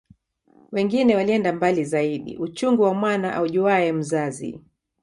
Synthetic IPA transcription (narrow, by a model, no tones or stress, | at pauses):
wɛŋɡinɛwaliɛndambalizaiɗḭʔut͡ʃuŋɡuwamwanaʔa̰uʄuaɛm̩zazḭ